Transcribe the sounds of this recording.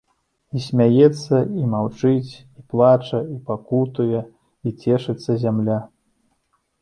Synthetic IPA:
isʲmʲajɛt̪sːɐimawt͡ʂɨt͡sʲ | iplˠat͡ʂɐipakut̪ujɛ | it͡sʲɛʂɨt̪sːɐzʲamlʲa

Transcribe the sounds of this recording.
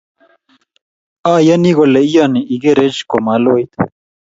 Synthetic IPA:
aːjɐniɣoleijaniiɡeɾed͡ʑkomalojt̪

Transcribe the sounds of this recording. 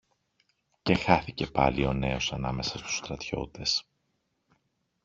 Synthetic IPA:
ce̞xɐθice̞pɐ̰lio̞ne̞o̞sɐnɐ̰me̞sɐst̪u̥st̪ɾɐt̪ço̞̰t̪e̞s

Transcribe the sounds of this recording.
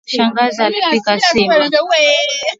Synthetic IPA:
ʃaŋɡazatikasimu

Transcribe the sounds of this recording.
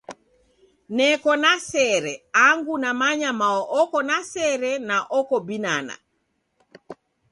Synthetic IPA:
nɛkɔnasɛɾɛaŋɡunamaɲamaɔʔɔkɔnasɛɾɛnaʔɔkɔbinana̰

